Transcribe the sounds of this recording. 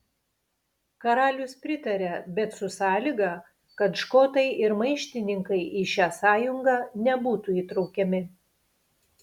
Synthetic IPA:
kɐɾɑːlʲʊspʲɾʲɪt̪ɐɾʲɛbʲɛt̪sʊsɑːlʲiɡɑ | kɐt̪ʃkoːt̪ɐɪʔɪɾmɐɪʃʲt̪ʲɪnʲɪŋkɐɪʔiʃʲæːsɑːjʊŋɡɑːnʲɛbuːt̪uiːt̪ɾɒʊkʲɛmʲɪ

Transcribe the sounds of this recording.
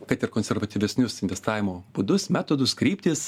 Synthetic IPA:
kɐt̪ɪɾkonʲsʲɛɾʋɐt̪ʲiːʋʲɛsʲnʲʊsɪnʲʋʲɛst̪ɑːʋʲɪmoːb̥ʊd̪ʊsmʲæːt̪oːd̪ʊskɾʲiːpʲt̪ʲiːs

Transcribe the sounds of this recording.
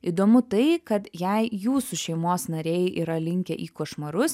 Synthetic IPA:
iːd̪oːmʊt̪ɐɪkɐt̪jɛɪjuːsuʃʲɛɪmoːsnɐɾʲɛːjʔḭːɾɐlʲɪŋʲkʲɛʔiːkoːʃmɐɾʊs

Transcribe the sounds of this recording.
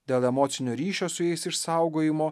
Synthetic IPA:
d̪ʲeːlˠɛmoːt̪sʲɪnʲoːɾʲiːʃʲoːsʊjɛɪsɪʃsɑˑʊɡoːjɪmoː

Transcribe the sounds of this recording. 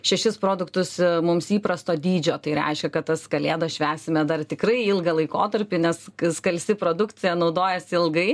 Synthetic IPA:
ʃʲɛʃʲɪspɾoːd̪ʊkt̪ʊsmʊmsiːpɾɐst̪oːd̪ʲiːd͡ʒʲoːt̪ɐɪɾʲɛ̰ɪʃʲkʲɛkɐt̪t̪ɐskɐlʲeːd̪ɐʃʲʋʲæːsʲɪmʲɛd̪ɐrt̪ʲɪkrɐɪɪlˠɡɐlˠɐɪko̰ːt̪ɐɾʲpʲɪnʲɛsskɐlʲsʲɪpɾoːd̪ʊkt͡ssʲɪjɛnɒʊd̪oːjɛsʲɪlˠɡɐɪ

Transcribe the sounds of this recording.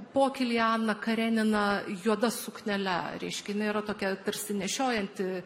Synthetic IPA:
poːkʲɪlʲjɑːnɐkɐɾʲæːnʲɪnɐjuɔd̪ɐsʊknʲɛlʲɛɾʲɛ̰ɪʃʲkʲɛjɪnɐɪiɾɐt̪oːkʲɛt̪ɐɾʲsʲɪnʲɛʃʲoːjɛnʲt̪ʲɪ

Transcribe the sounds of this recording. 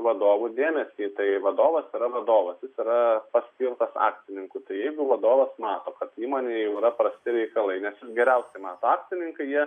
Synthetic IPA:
ʋɐd̪oːʋud̪ʲeːmʲɛsʲiːt̪ɐɪʋɐd̪oːʋɐsiɾɐʋɐd̪oːʋɐsjɪsiɾɐpɐsʲkʲiːlt̪ɐsɑ̰ːk̚t͡s̪ʲɪnʲɪŋkʊt̪ɐɪjɛɪɡʊʋɐd̪oːʋɐsmɑːt̪oːkɐt̪iːmoːnʲeːjɛʊɪɾɐpɾɐsʲt̪ʲɪɾʲɛɪkɐlˠɐɪnʲɛsjɪsɡʲɛɾʲɛʊsʲɛɪmɑːt̪oːɑːk̚t͡s̪ʲɪnʲɪŋkɐɪjiɛ

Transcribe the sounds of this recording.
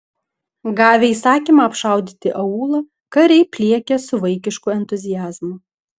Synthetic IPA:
ɡɑːʋʲɛiːsɑːkʲiːmɐɐpʃɑˑʊd̪ʲiːt̪ʲɪʔɐuːlˠɐ | kɐɾʲɛɪpʲlʲiɛkʲɛsʊʋɐɪkʲɪʃkʊɛnʲt̪ʊzʲɪjæːzmʊ

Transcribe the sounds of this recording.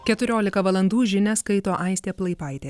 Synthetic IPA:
kʲɛt̪ʊɾʲoːlʲɪkɐʋɐlˠɐnd̪uːʒʲɪnʲɛskɐɪt̪oːʔɐɪsʲt̪ʲeːplˠɐɪpɐɪt̪ʲeː

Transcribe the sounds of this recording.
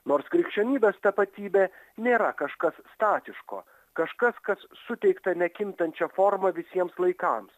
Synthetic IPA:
noːɾskɾʲɪkʃʲt͡ʃʲonʲiːbʲeːst̪ɐpɐt̪ʲiːbʲeː | nʲeːɾɐkɐʃkɐsːt̪ɑːt̪ʲɪʃko̰ː | kɐʃkɐskɐsːʊt̪ʲɛɪkt̪ɐnʲɛkʲɪmʲt̪ɐnʲt͡ʃʲɛfɔɾmɐʋʲɪsʲiɛmslˠɐɪkɑms

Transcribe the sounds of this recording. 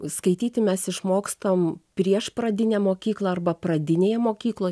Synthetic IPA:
skɐɪt̪ʲiːt̪ʲɪmʲɛsɪʃmoːkst̪ɐompʲɾʲiɛʃprɐd̪ʲɪnʲemoːkʲiːklˠɑɐrbɐprɐd̪ʲɪnʲeːjɛmoːkʲiːklˠoː

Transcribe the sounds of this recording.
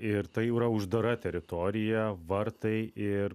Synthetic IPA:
ɪɾt̪ɐɪiɾɐʊʒd̪ɐɾɐt̪ʲɛɾʲɪt̪ɔɾʲɪjɛʋɐɾt̪ɐɪɪɾ

